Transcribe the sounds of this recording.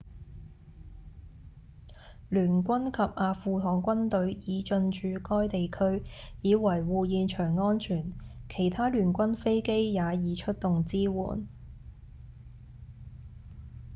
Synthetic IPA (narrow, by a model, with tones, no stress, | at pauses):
lyː˨˩nkʷɐ˥nkʰɐ˨p̚ʔaː˨˧fuː˨˧t̪ʰɔː˨˥ŋkʷɐ˥nt̪ɵ˨˧ɥjiː˨˧t͡ʃɵ˧nt͡ʃyː˨˧kɔː˥jt̪e˨jkʰɵ˥ɥjiː˨˧wɐ˨˩jwuː˨jiː˨˧nt͡ʃʰœː˨˩ŋːɔː˥nt͡ʃʰyː˨˩nkʰe˨˩jt̪ʰaː˥lyː˨˩nkʷɐ˥nfe˥jke˥jjaː˨˧jiː˨˧t͡ʃʰɵ˥t̚t̪ʊ˨ŋt͡siː˥wṵː˨˩n